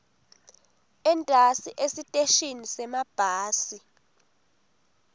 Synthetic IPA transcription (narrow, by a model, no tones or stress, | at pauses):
ɛntʼasiʔesitʼeʃinisɛmab̥ʱaːsi